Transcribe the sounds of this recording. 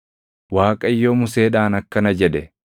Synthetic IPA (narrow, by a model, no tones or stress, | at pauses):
waːkʼɐɪjːoːmʊseːᶑaːnɐkːɐnɐd͡ʒɛᶑɛ